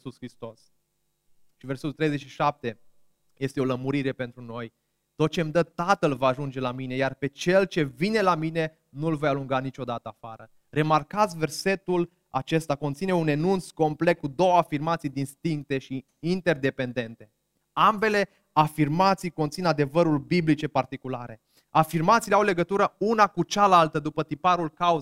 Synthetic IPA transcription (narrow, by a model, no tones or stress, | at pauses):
suskɾist̪o̞s | ʃiverset̪ult̪ɾejzet͡ʃʃiʃap̚t̪e̞ | je̞st̪eo̞ləmuɾiɾe̞pent̪ɾuno̞j | t̪o̞t̪̚t͡ʃemd̪ət̪at̪əlvaːʒund͡ʒe̞lamine̞jarpe̞t͡ʃe̞lt͡ʃe̞vine̞lamine̞ | nulvo̞jaluŋɡanit͡ʃo̞d̪at̪əafaɾə | re̞markat̪sʲve̞rse̞t̪ul | a̰t͡ʃe̞st̪ako̞nt̪sine̞une̞nunt̪sko̞mple̞k̚kud̪o̞wəafirmat̪sijd̪inst̪iŋk̚t̪e̞ʃiː | nt̪e̞rd̪e̞pe̞nd̪e̞nt̪e̞ | ambe̞le̞ | afirmat̪sijko̞nt̪sinad̪e̞vəɾulbiblit͡ʃe̞part̪ikulaɾe̞ | afirmat̪sileawle̞ɡət̪uɾəunakut͡ʃalalt̪əd̪upət̪ipaɾulkau